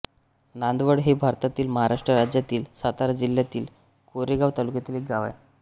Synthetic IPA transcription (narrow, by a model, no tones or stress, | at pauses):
nand̪ʋəɽɦebʱaɾt̪at̪iːlməɦaɾaʂʈɾəɾad͡ʑjat̪iːlsat̪aɾad͡ʑiljat̪iːl | koɾeɡaʋt̪alukjat̪iːlek̚ɡaʋa̰j